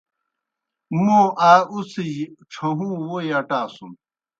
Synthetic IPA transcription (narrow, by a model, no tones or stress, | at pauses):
moaːusiʈ͡ʂʰɐɦũːwojaʈaːsũ